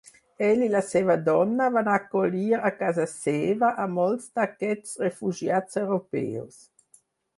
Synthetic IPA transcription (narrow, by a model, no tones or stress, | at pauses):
ɛlilasɛvad̪ɔnːaəvanakoliːɾakazaseːvaʔamɔlst̪akɛtsʁefuʒjatsewʁopɛ̰ːos